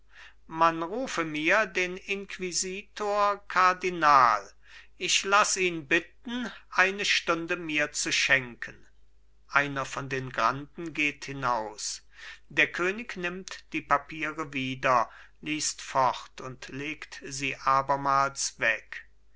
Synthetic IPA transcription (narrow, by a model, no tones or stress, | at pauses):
manʁuːfəmiːɐdeːnɪnkʰv̥iziːtʰoːɐkʰaɐdinaːl | ʔɪʃlasiːnbɪt̚n̩ʔaɪnəʃtʊndəmiːɐt͡suʃɛŋkʰən | ʔaɪnɐfɔndeːnɡʁandn̩ɡeːthɪnaʊs | d̥eːɐkʰøːnɪknɪmtd̥iːpapʰiːʁəviːdɐ | liːstfɔχtʊntleːktziːʔaːbɐmaːlsv̥ɛk